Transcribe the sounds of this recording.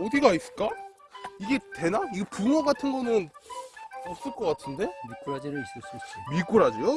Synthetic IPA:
ʌdiɡais͈ɯɭk͈a | iɡe̞te̞naiɡepuŋwaɡatʰɯnɡʌnɯn | os͈ɯɭk͈ʌk͈atʰɯnde̞mik͈uɾad͡ʑiɾɯis͈ʌs͈uimik͈uɾad͡ʑijo

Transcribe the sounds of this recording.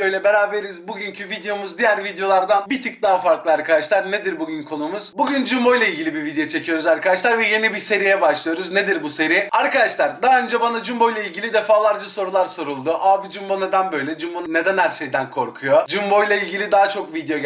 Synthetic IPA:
ojlʲˠɛbe̞ɾaːbeɾizbuɟyncʰyvid̪ejo̞muzd̪ijæɾvid̪ejo̞lˠaɾd̪anbit̪ʰik̚d̪aɦafaɾklˠɯaɾkʰad̪aʃlˠaɾne̞d̪iɾbuɟynkʰo̞numuz̥buɟynd͡ʒumbo̞jlˠailʲɟilʲibivid̪ejo̞t͡ʃʰe̞cʰijo̞ɾuzaɾkad̪aʃlˠaɾvɛje̞nibise̞ɾijɛbaʃlˠɯjo̞ɾuzne̞d̪iɾbuse̞ɾiaɾkad̪aʃlˠaɾd̪aːø̞nd͡ʒɛbanad͡ʒumbo̞jlˠailʲɟilʲid̪e̞faːlˠaɾd͡ʒaso̞ɾulˠaɾso̞ɾulˠd̪uʔabid͡ʒumbone̞d̪ænbø̞jlʲɛd͡ʒumbonne̞d̪ænhæɾʃe̞jd̪ænkʰo̞ɾkʰujo̞d͡ʒumbo̞jlˠailʲɟilʲid̪aɦat͡ʃʰo̞kvid̪ejo̞

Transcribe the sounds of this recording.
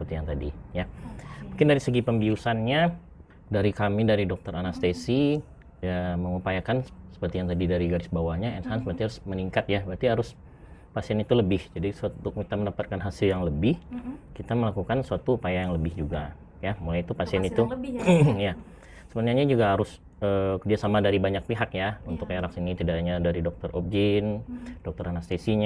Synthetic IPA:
səpərt̪ijaŋt̪adijamuŋkɪndaɾisəɡipəmbiusanɲa | daɾikamidaɾidɔk̚t̪ɔɾanast̪esi | əməŋupajakansə̥pərt̪ijaŋt̪adidaɾiɡaɾɪsbawahɲaɛnsaansəpərt̪iaɾʊsməniŋkat̪̚jabat̪iɦaɾʊs | pasiɛnit̪uləbɪhd͡ʒadisuat̪uit̪aməndapat̪̚kanɦasɪljaŋləbɪhkit̪aməlakukansuat̪uːpajajaŋləbɪhd͡ʒuɡa | jamulajit̪upasiɛnit̪u | ja | səbənaɲad͡ʒuɡaɦaɾʊs | əːkdiasamadaɾibaɲak̚piɦakjaunt̪ʊkeɾak̚sinit̪idaʔɲadaɾidɔk̚t̪ɔrʔob̚d͡ʒind̥ɔk̚t̪ɔɾanast̪esiɲa

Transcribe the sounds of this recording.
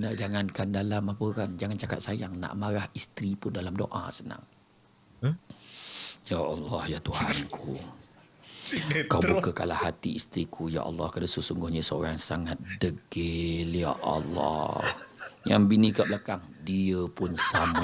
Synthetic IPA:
naʔd͡ʒaŋankandalamapəkand͡ʒaŋant͡ʃaka̰t̪̚sajaŋna̰ʔmaɾahist̪ɾipʊndalamdo̰ʔa̰səna̰ŋ | jaʔɑlːɑhjat̪uhankʰu | kawbukəkalahat̪iist̪ɾikʰuja̰ʔɑ̰lːɑhkadasəsuŋɡʊhɲəsəoɾaŋsaŋat̪̚dəɡelija̰ʔɑ̰lːɑ̰hja̰ŋbinikablakaŋdiəpʊnsamə

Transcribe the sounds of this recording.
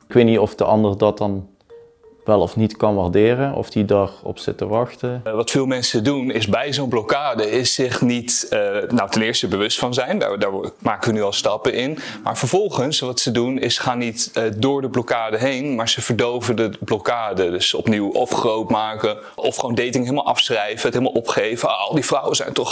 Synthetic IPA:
ɪkʋetnitɔfdəʔɑndərdɑtdɑn | ʋɛlˠɔfnitkɑnʋardɪːrənɔ̰fdidarɔ̰psɪtəʋɑxtəʋɑtfɪːlˠmɛnsədunɪzbɛjzownblokaːdəɪsːɪχnitːnawtɛnɪːɹstəbəʋɵstfɑnzɛjnda̰daːɹmaːkəʋənyɑlˠstɑpəʔɪnma̰ːɹvəɹvɔlˠχənsʋɑtsədunɪsχaːnːitːdʊːɹdəblɔkaːdəɦejnmaːɹzəv̥əɹdowvəndəblɔkaːdədəsəɔ̰pniwɔfχrowtmaːkə | ɔfχwowndejtɪŋɦeləmalˠɑ̰fsrɛjvəətɦelˠmalˠɔpχejvəɑ̰lˠdivrʌwəzɛ̰jntɔχ

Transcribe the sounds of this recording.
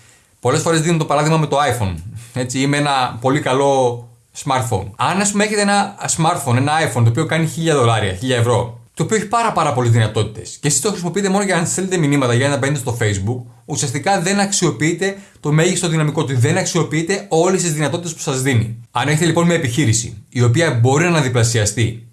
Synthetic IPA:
po̞lesfo̞ɾezðinet̪t̪oɐɾɐðiɣmɐme̞t̪o̞ɐifo̞̰ne̞t͡siimeenɐpo̞likɐlo̞ | smɐɾt̪fo̰nɐnɐspumee̞çe̞t̪e̞enɐsmɐɾt̪fo̞ne̞nɐɐjfont̪opio̞kɐniçiʎɐðo̞lɐɾiɐ̰çiʎɐe̞vɾo̞t̪oːpioeçi̥pɐɾɐpɐɾɐpo̞lezðinɐt̪o̞t̪i̥t̪e̞scesist̪o̞xɾisimo̞piit̪e̞mo̞no̞ʝɐɐnssθelet̪e̞minimɐt̪ɐʝɐɐnɐpe̞net̪est̪o̞fe̞jzbukusiɐst̪ikɐðe̞nɐksio̞piit̪e̞t̪o̞me̞ʝist̪o̞ðinɐmiko̞t̪uðe̞nɐksio̞piit̪e̞o̞lest̪izðinɐt̪o̞t̪it̪e̞spu̥sɐzðinḭɐne̞çet̪elipo̞nmiɐepiçiɾisḭio̞piɐbo̞ɾinɐnɐðiplɐsiɐst̪i

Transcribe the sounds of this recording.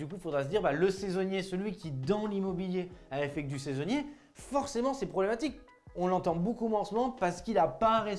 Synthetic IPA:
d̪ykufod̪ʁas̬əd̪iʁbaləsezɔnjesəlɥikʲid̪ɑ̃limɔbiljeaɛfɛk̚d̪ysezɔnje | fɔʁsemɑ̃sɛpχɔblemat̪ik | ɔ̃lɑ̃t̪ɑ̃bokumwɛ̃ɑ̃səmɔmɑ̃paʁsə̥kilapaɛ̃ʁe

